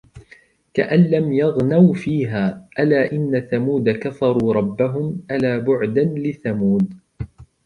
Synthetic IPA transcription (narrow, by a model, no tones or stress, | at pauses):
kaʔanlamjɑɣnawfiːɦaːʔalaːʔɪnːaθamuːd̪akafɑɾˤuːɾˤɑbːaɦʊmʔalaːbʊʕd̪anlɪθamuːd̪̚